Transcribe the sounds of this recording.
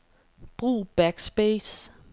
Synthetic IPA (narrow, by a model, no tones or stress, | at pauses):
b̥ʁṵːb̥æɡ̥sb̥es